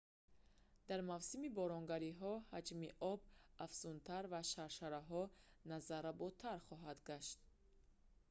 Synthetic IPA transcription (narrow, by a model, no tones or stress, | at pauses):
d̪̥aɾmavsimibɔɾɔŋɡaɾiɦɔhad͡ʒmiʔɔbafsunt̪ʰaɾvaʃaɾʃaɾaɦɔnazaɾabɔt̪ʰaɾχɔɦad̪ɡaʃt̪